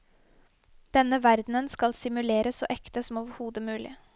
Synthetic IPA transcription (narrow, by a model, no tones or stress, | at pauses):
d̪̥ɛnəʋæɾd̪n̩ənskɑlsɪmʉleːɾəso̰ːʔɛkt̪əsɔm̩oːʋəɾhuːd̪əmʉːlɪ̰